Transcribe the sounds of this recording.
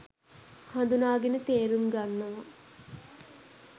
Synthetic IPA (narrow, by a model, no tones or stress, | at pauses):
hɐnd̪unaːɡenət̪eːɾumɡanːɐʋɐ